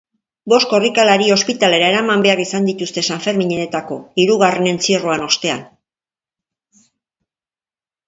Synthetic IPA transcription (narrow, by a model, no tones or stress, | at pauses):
bo̞sko̞rikalaɾio̞spit̪ale̞ɾae̞ɾamambe̞arisand̪it̪ust̪e̞saɱfe̞ɾmiɲene̞t̪ako̞iɾuɣ̞are̞ne̞nt͡siroano̞st̪e̞a̰n